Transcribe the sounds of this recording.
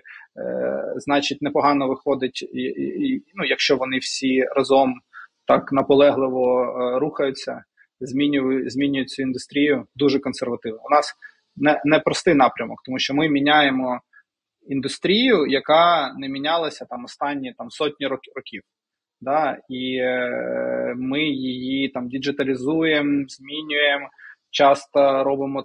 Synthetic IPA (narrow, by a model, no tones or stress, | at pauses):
znɑt͡ʃit̚ʲnɛpɔɦɑnɔʋɪxɔd̪ɪtʲinujɐkʃt͡ʃɔʋɔnɪwsʲirɐzɔmt̪ɑknɐpɔlˠɛɦlˠɪʋɔɾuxɐjʊt͡sʲːɐ | zʲmʲinʲʊzʲmʲinʲʊjʊt̚ʲt͡sʲʊind̪ʊst̪ɾʲijʊd̪uʒɛkɔnserʋɐt̪ɪwnɔʊnɑs | nɛnɛpɾɔst̪ɪjnɑpɾʲɐmɔk̚t̪ɔmuʃt͡ʃɔmɪmʲinʲajemɔ | ind̪ʊst̪ɾʲijʊjɐkɑnɛmʲinʲɑlˠɐsʲɐt̪ɑmɔst̪ɑnʲːit̪ɑmsɔtʲnʲiɾɔɾɔkʲiw | d̪ɑi | mɪjɪjit̪ɑmdʲid͡ʒɪt̪ɐlʲizujemzʲmʲinʲʊjemt͡ʃɑst̪ɐɾɔbɪmɔ